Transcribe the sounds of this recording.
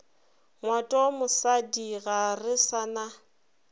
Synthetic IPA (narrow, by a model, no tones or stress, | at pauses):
ŋwatʼɔmʊsadiɣarɪsana